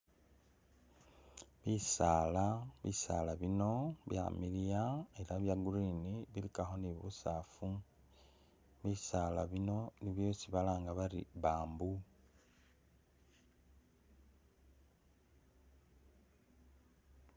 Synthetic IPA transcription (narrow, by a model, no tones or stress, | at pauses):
βisaːlaβḭsa̰laβino̞βja̰milijae̞laβjaɡuɾiniβilikaxo̞niβusafu | βisalaβino̞niβjoːsiβalaːŋɡaβaɾḭβaːmbu